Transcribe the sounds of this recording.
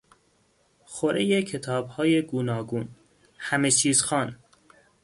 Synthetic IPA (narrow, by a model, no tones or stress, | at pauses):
xoɾejecʰet̪ʰɒːbhɒːje̞ɡunɒːɡuːn | hæmet͡ʃʰiːzxɒːn